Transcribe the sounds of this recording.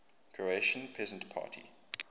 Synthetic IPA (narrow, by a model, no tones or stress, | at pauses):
kʰɹoeʃə̃npʰɹɛzə̃ntpʰa̰ːtʰḭ